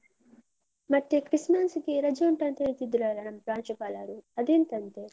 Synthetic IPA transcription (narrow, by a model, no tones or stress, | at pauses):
mɐʈːekɾismaːnsukiɾɐd͡ʒɐuɳʈɐnt̪enit̪id̪ulaːɾɐnɐmpɾaːnt͡ʃɐpaːlaːɾuɐd̪eːnt̪ɐnt̪e